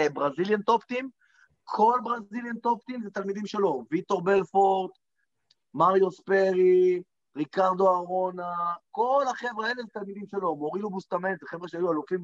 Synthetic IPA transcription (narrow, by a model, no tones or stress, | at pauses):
bʁaziljant̪o̞pt̪im | kʰo̞lbʁaziljant̪o̞pt̪imzet̪almid̪imʃelo̞vit̪o̞ʁbe̞lfoʁt̪ | maʁjospeʁi | ʁikaʁd̪o̞aʁo̞nako̞lhaχe̞veaelezet̪almid̪imʃelo̞mo̞ʁidubust̪ament̪zeχevʁeʃeajualofim